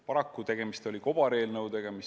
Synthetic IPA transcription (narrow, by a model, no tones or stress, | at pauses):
pɑɾɑkːut̪e̞ɡ̥e̞mist̪o̞lʲiko̞b̥ɑɾe̞ːlnɤwd̪e̞ɡ̥e̞mis